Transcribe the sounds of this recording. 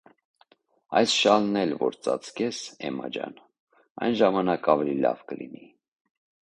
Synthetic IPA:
ɑjsʃɑlnɛlvɔɾt͡sɑt͡skɛsɛmɑd͡ʒɑn | ɑjnʒɑmɑnɑkɑvɛlilɑ̰vkəlini

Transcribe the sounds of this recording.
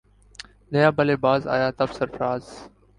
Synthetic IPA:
nəjaːbəleːbaːza̰ːjaːt̪ɐfsəɾfɾaːz

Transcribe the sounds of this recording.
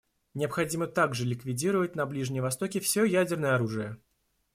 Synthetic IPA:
nʲɪəpxɐdʲimət̪aɡʐɨlʲɪkvʲɪdʲiɾəvətʲnɐblʲiʐnʲɪjvɐst̪o̞kʲɪfsʲojædʲɪrnəjəɐɾuʐɨjə

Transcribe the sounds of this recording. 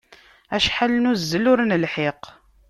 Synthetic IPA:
æʃħalnuzːəlʊɾnəlħeq

